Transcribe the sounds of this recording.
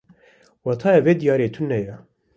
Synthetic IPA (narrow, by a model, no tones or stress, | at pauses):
wɑt̪ʰɑːjɛveːd̪ijɑːɾeːt̪ʰʊnːɛjɛ